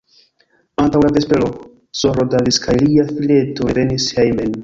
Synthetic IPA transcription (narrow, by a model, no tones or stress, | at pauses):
antawladespelo | soɾodaliskʰajliafile̞toɾenishejmen